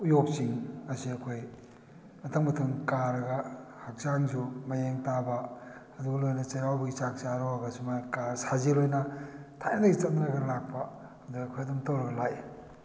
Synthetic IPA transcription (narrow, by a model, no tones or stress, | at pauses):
ujop̚siŋɐsiɐkʰoj | ɐtʰɐŋmɐtʰɐmkaɾɐɡɐhak̚zaŋzumɐjeŋtabɐɐduɡɐlojnɐt͡ʃɐjɾawbɐɡit͡ʃak̚t͡ʃaɾoɡɐsumakaɾsazelojnɐtʰajnadɐɡit͡ʃɐt̚nɾɐɡɐlak̚pɐ | ɐduɡɐːkʰojɐdumtowɾɐɡɐlaj